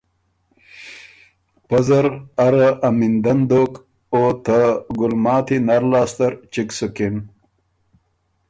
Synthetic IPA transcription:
pzɐɾaɾaʔɐmind̪ɐnd̪ok | ot̪ʰaɡulmaːt̪inaɾlaːst̪ɐɾt͡ɕiksukin

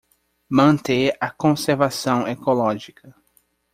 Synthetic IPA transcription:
mɐ̃nt̪eɐkõseɾvasɐ̃w̃ekolɔʒikɐ

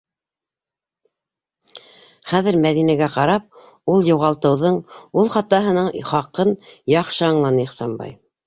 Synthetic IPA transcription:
χæðɘ̆ɾmæðinæɡæqɑɾɑp̚ | ulˠjuʁɑlˠt̪ɤ̆wðɤɴulˠχɑt̪ːɑɦɤ̆nɤɴχɑqɤnjɑχʃɤɑɴlˠɑnɤiχsɑmbɑ̰j

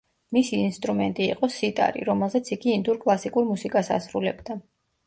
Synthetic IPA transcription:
misiːnst̪ʼɾumɛnt̪ʼiiqʼɔsit̪ʼa̰ɾḭɾɔmɛlˠzɛt̪sʰiɡiːnd̪uɾkʼlˠasikʼuɾmusikʼasa̰sɾṵlɛ̰bd̪a

